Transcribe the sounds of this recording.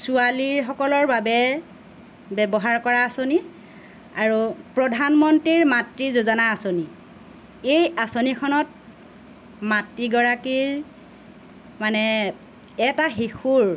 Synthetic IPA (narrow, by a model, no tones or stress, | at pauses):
sualiɹxɔkɔlɔɹbabɛ | bɛbɔɦaɹkɔɹaːsoni | aɹupɹɔdʱanmɔntɹiɹmatɹizozɔnaːsoni | ejasonikʰɔnɔt̚ | matɹiɡɔɹakiɹ | manɛ | ɛtaxixʰuɹ